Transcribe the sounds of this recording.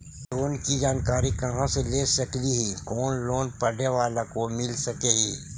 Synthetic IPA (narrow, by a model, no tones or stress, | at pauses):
loːnkid͡ʒaːnkaːɾikɐɦãseleːsɐkliɦikoːnloːnpɐɽeʋaːlakomɪlsɐkeɦiː